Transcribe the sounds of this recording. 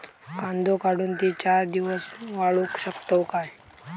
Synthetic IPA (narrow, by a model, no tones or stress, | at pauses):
kãnd̪ʱokaɽuːnt̪iːt͡ɕaɾd̪iʋəsʋaɭukɕəkt̪əwkaj